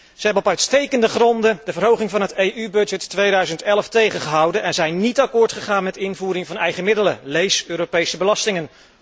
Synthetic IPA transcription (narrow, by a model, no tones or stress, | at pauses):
z̥əɦɛbənɔpœɥtstejkəndəχrɔndəd̥əvərɦowχɪŋvɑnɦətejʔybɵdd͡ʒɛtːʋejdœɥzəntɛlftejχənχəɦɑwdənʔɛnzɛjnːitɑkʊːɹtχəχaːnmɛtɪnvuːɾɪŋvɑnɛjχəmɪdələlejsøːɾopejsəbəlɑstɪŋən